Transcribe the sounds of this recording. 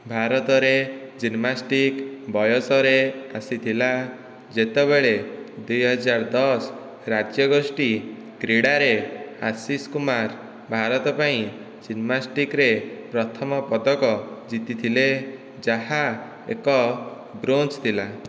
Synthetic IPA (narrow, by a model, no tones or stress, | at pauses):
bʱaɾɔt̪ɔɾed͡ʒinmasʈikbɔjɔsɔɾeasit̪ʰila | d͡ʒet̪eβeɭed̪ujɦɔd͡ʒaɾd̪ɔs | ɾad͡ʒjɔɡɔsʈi | ɡɾiɽaɾehasiskumaɾ | bʱaɾɔt̪ɔpaĩ | d͡ʒinmasʈikɾepɾɔt̪ʰɔmɔpɔd̪ɔkɔd͡ʒit̪it̪ʰile | d͡ʒaɦa | ḛkɔ | bɾont͡ʃt̪ʰila